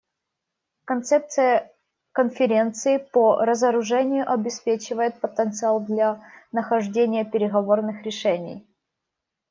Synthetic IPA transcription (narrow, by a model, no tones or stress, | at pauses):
kɐnt̪sɛp̚t̪sɨjə | kənfʲɪɾʲe̞nt̪sɨɪpoɾəzəɾʊʐɛnʲɪjʊʔɐbʲɪspʲet͡ɕɪvəjɪt̪̚pət̪ənt̪sɨalˠd̪lʲanəxɐʐdʲenʲɪjəpʲɪɾʲɪɣɐvornɨxɾʲɪʂɛnʲɪ̰j